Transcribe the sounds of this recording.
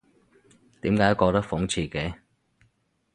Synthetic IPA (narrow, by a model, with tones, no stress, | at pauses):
t̪iː˨˥mkaː˨˥jkɔː˧t̪ɐ˥k̚fʊ˨˥ŋt͡sʰiː˧kɛː˨˥